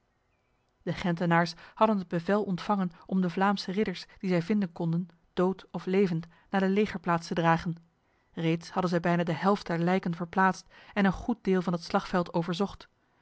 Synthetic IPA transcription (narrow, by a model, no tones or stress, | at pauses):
d̥əχɛntənaːɹshɑdənɦəd̚bəvɛlˠʔɔntfɑŋənʔɔmdəvlaːmsərɪdəɹsd̥izɛjvɪndənkɔndən | d̥owtɔflejvənt | naːdəlejχəɹplaːtstədraːχən | rejtshɑdənzɛjbɛjnaːdəɦɛlˠft̚dɛɹlɛjkənvəɹplaːtstɛnənχut̚dɪːlˠvɑnɦətslɑχfɛlˠtowvəɹzɔχt